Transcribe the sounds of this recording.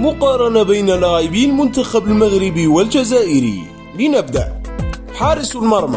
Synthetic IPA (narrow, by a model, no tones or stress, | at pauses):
mʊqɑːɾˤɑnabajnalːaːʕɪbiːlmʊnt̪axabalmaɣɾɪbiwald͡ʒazaːʔɪɾḭ | lɪnabd̪a̰ʔ | ħɑːɾˤɪsˤlmɑɾˤma̰